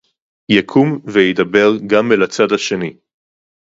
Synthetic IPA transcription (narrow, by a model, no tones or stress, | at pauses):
jakʰumvejid̪abe̞ʁɡamelat͡sadhaʃe̞ni